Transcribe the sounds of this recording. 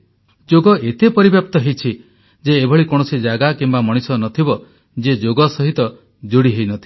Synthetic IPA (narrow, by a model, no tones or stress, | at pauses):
d͡ʒoɡɔet̪epɔɾibjap̚t̪ɔɦejt͡ʃʰi | d͡ʒeːbʱɔɭikɔɽ̃ɔsid͡ʒaɡakimbamɔɽ̃isɔnɔt̪ʰibɔ | d͡ʒed͡ʒoɡɔsɔɦit̪ɔ | d͡ʒoɽiɦejnɔt̪ʰi